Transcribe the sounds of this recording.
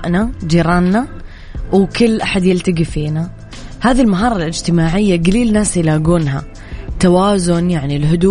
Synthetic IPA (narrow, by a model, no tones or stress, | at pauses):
ʔnad͡ʒiːɾˤɑːnːa | wkʊlːʔaħad̪jɪlt̪aɡifiːna | haːðilmaɦɑːɾˤɑlʔɪd͡ʒt̪ɪmaːʕɪjːaɡaliːlnaːsjlaːɡuːnɦa | t̪awaːzʊnjaʕnilɦʊd̪u